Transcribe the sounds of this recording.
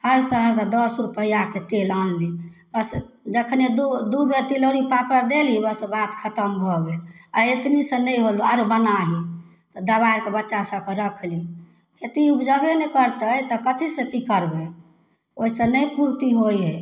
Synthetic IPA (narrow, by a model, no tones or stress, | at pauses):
həɾsə̃ɦəɾt̪əd̪ɔsɾupəɦijaket̪elãnːibəs | d͡ʒəkʰned̪ud̪ubeɾt̪iləɾipapəɾd̪elibəsbat̪kʰət̪əmbʱɔɡelaɾet̪nisə̃nəjɦoluaɾbənaɦi | t̪ɔd̪əbaiɾkebətːʃasə̃kə̃ɾəkʰli | ket̪iupd͡ʒəbenɛkəɾt̪əjt̪ɔkət̪ʰisə̃kikəɾbe | oɦisə̃nəjpuɾt̪iɦojɦe